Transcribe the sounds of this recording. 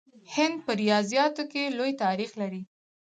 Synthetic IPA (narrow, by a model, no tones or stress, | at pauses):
hɪnd̪̚pəɾijɑzjɑt̪okelojt̪ɑɾixlaɾi